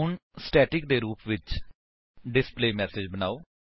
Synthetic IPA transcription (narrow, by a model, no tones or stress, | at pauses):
ʊnsʈɛːʈɪk̚d̪eːɾuːpʋɪt͡ʃ | ɖɪspleːmɛːseːd͡ʒbəna̰ːoː